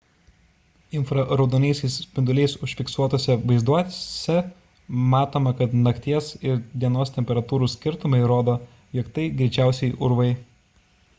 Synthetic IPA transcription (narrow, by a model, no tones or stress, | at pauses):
ɪnfɾɐɾɐʊd̪oːnʲɛɪsʲɛɪspʲɪnd̪ʊlʲɛɪsʊʃʲfʲɪksuɔt̪oːsʲɛʋɐɪzd̪uɔt̪ʲsʲɛ | mɑːt̪oːmɐkɐt̪nɐkt̪ʲiɛsɪɾd̪ʲiɛnoːst̪ʲɛmʲpʲɛɾɐt̪uːɾuːsʲkʲɪɾt̪ʊmɐɪɾoːd̪oː | jiɔkt̪ɐɪɡɾʲɛɪt͡ʃʲæˑʊsʲɛɪʔʊɾʋɐɪ